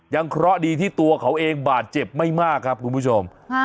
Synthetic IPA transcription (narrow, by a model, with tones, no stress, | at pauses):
ja˧ŋkʰɾɔ˦˥diː˧t̪ʰiː˥˩t̪u˧ɐkʰa˩˥wʔeː˧ŋbaː˨˩t̪̚t͡ɕe˨˩p̚ma˥˩jmaː˥˩kʰɾa˦˥p̚kʰu˧npʰu˦˥˩t͡ɕʰo˧m